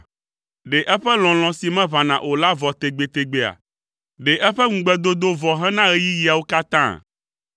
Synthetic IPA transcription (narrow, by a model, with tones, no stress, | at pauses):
ɖe˨ʔɛ˦ɸɛ˦l̃ɔ̃˨l̃ɔ̃˨si˨mɛ̃˦βã˨nã̰˨ʔo˨la˦vɔ˨t̪e˨ɡ͡be˨t̪e˨ɡ͡be˦a̰˨ | ɖe˨ʔɛ˦ɸɛ˦ŋũ˨ɡ͡bɛ˦d̪o˦d̪o˦vɔ˨ɦɛ̃˦nã˦ɣe˦ji˦ji˨a˨wo˦ka˦t̪ã̰˦˨